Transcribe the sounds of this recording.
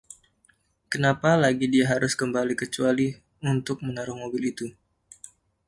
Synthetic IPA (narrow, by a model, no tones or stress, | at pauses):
kənapalaɡidiaɦaɾʊskəmbalikət͡ʃuali | unt̪ʊk̚mənaɾʊhmobɪlit̪u